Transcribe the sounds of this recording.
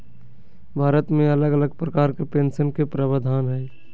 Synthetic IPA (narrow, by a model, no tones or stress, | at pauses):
bʱaːɾət̪mẽɐləɡələɡpɾəkaːɾkepẽːnsənkepɾəbəd̪ʱaːnɦɛː